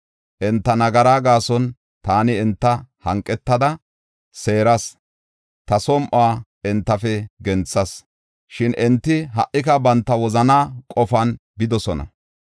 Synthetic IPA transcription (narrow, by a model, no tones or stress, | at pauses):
ʔɛnt̪ːɐnɐɡɐɾaːɡaːsɔn | t̪aːnɪɛnt̪ːɐhɐŋkʼːɛt̪ːɐd̪ɐ | se̞ːɾɐs | t̪ɐsɔmʔaː | ɛnt̪ːɐfɛɡɛnt͡sːɐs | ʃɪnʔɛnt̪ːɪɦɐ̰ʔːɪkɐbɐnt̪ːɐwɔzɐnaːkʼɔfɐnbɪd̪ɔsɔnɐ̰